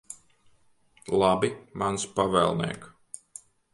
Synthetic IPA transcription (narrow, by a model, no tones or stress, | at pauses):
lˠabimanspavɛ̰lˠnḭɛːk